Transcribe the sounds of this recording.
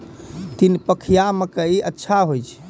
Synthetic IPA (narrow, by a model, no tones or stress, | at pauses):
t̪inpəkʰijaməkəiʔətːʃʰaɦojt͡ʃʰɛ̥